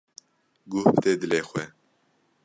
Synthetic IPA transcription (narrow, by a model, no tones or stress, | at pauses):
ɡʊhft̪eːd̪ɨleːxʷɛ